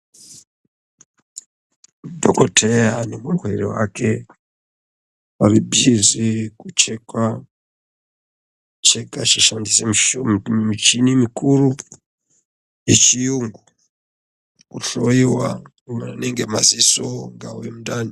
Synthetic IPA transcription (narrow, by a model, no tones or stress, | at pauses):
dʱokotʰejanomuŋɡweɾḛwa̰ke̞ | paribʱizikut͡ʃekwa | t͡ʃekat͡ʃiʃandise | mit͡ʃinimikʰuɾu | jet͡ʃijuŋɡu | kuɬoiwa | umaneŋɡemazisoŋɡaujemudani